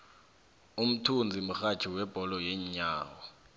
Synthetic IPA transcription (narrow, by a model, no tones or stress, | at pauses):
um̩tʰund͡zʱim̩xḁt͡ʃʰiwɛb̥ʱɔlɔjɛɲɲaːwɔ